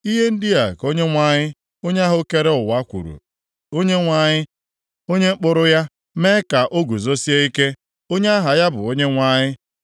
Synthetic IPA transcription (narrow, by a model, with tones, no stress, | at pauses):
i˦ɦe˦n̩˦dɪ˦a˨ko˦ɲe˦ŋʷa˦˨ɲɪ˦ | o˦ɲ˦a˦ɦʊ˦ke˦ɾe˦ʊ˨wa˦kʷṵ˨ɾṵ˨ | o˦ɲe˦ŋʷa˨ɲɪ˦ | o˦ɲe˦k͡pʊ˦ɾʊ˦ja˦ | me˦ka˨ʔo˦ɡu˨zo˦si˦e˦i˦ke˦ | o˦ɲe˦a˦ɦa˨ja˦bʊ̰˨o˦ɲe˦ŋʷa˦˨ɲɪ˦